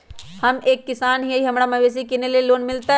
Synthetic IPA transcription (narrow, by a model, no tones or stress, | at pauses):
hɐmeːkːɪsaːnɦiɐiɦɐmɾamɐʋeːs̬ikinelieloːnmɪlt̪a